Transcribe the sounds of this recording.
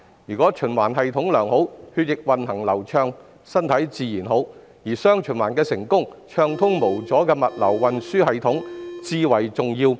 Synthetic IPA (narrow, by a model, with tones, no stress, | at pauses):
jyː˨˩kʷɔː˨˥t͡ʃʰɵ˨˩nwaː˨˩nɦɐ˨jt̪ʰʊ˨˥ŋlœː˨˩ŋho˨˥whyː˧t̚jɪ˨k̚wɐ˨nɦɐ˨˩ŋlɐ˨˩wt͡ʃʰœː˧ŋ | sɐ˥nt̪ʰɐ˨˥jt͡siː˧jiː˨˩nɦo˨˥w | jiː˨˩sœː˥ŋt͡ʃʰɵ˨˩nwaː˨˩nkɛː˧sɪ˨˩ŋkʊ˥ŋt͡ʃʰœː˧ŋt̪ʰʊ˥ŋmo˨˩wt͡sɔː˨˥kɛː˧mɐ˨t̚lɐ̰˨˩wːɐ˨nsyː˥hɐ˨jt̪ʰʊ˨˥ŋt͡siː˧wɐ˨˩jt͡sʊ˨ŋjiː˧w